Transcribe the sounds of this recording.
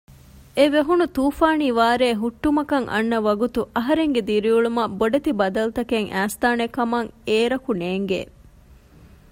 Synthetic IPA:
ʔeʋeɦunut̪uːfaːniːʋaːɾeːɦuʈːumɐkɐŋʔɐ̰nːɐʋɐɡut̪uʔɐɦɐɾeŋɡed̪iɾiuɭumɐboɖɐt̪ibɐd̪ɐlut̪ɐkeŋʔæːst̪aːnekːɐmɐŋeːɾɐkuneːŋɡḛː

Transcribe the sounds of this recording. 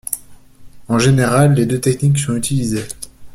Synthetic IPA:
ɑ̃ʒeneʁalːed̪øt̪ɛkniksɔ̃yt̪ʰilize

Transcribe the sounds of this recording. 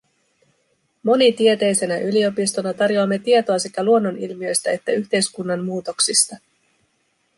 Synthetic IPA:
mo̞nit̪ie̞t̪e̞jse̞næʔylio̞pist̪o̞nɑt̪ɑrjo̞ɑmːe̞t̪iet̪o̞ɑse̞kæluo̞nːo̞nilmiø̞jst̪æe̞t̪ːæyçt̪e̞jskunːɑmːuːt̪o̞ksist̪ɑ

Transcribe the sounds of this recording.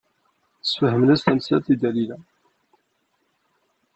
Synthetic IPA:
θə̥sfəhəmnæst̪æmsæ̰t̪id̪ælilæ

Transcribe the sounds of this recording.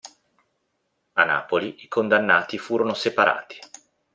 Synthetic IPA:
ana̰ːpoliikond̪anːaːt̪ifuːɾonosepaɾa̰ːt̪i̥

